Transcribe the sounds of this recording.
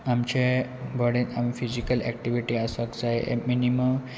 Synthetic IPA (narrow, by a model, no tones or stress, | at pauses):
amt͡ɕebʱəɽenamifizikəlɛ̰k̚ʈiʋiʈiasəkd͡zaeʔḛminiməm